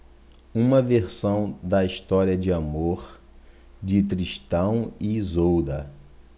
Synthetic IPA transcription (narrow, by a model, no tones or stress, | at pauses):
ũmɐveɾsɐ̃w̃d̪ɐiʃt̪ɔɾiɐd͡ʒɪamoɾ | d͡ʒɪt̪ɾiʃt̪ɐ̃w̃ɪzowd̪ɐ